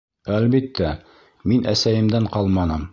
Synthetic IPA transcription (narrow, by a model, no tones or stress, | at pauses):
ælbit̪ːæ | minʔæ̰sæjɘ̆md̪æɴqɑlˠmɑnɤm